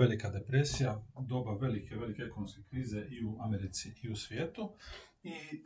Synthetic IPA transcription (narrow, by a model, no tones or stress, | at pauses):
elikad̪epɾe̞sijad̪o̞baʋe̞likʰeʋe̞likeekonomskekɾiːze̞ʔiuʔameɾit̪siiusʋjeːt̪u | i